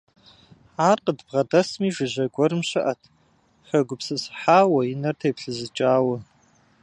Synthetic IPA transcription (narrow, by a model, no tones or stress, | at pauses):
ħaːrqədbʁɐdɐsmiːʒɪʑɐɡʷɔɾɨmɕɨʔɐtʰ | xɐɡʷʊpsɨsħaːwɐjinɐrtʰeːpɬɨzɨt͡ʃʼaːwɐ